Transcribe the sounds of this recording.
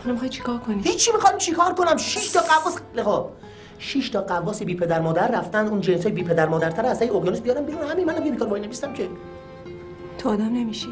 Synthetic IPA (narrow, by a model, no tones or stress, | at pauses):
nmixɑjt̪̚t͡ʃʰe̥kʰɒɾkʰonihit͡ʃʰːimixɒːjmt͡ʃʰikʰɒːɾkʰonæmʃiʃt̪ʰɒːɢævːɒːslexɒː | ʃiʃt̪ʰɒːɢævːɒːsibiːpʰe̞d̪æɾmɒːd̪æɾːæft̪ænd̪uːnd͡ʒensɒːjebiːpʰe̞d̪æɾmɒːd̪æɾt̪ʰæɾæsæjoʁjoːnismbijɒːɾæmbed̪unhæmimænæmkebiːkɒːɾbɒːjineviːst̪æmcʰe | t̪ʰːd̪æmnemiʃi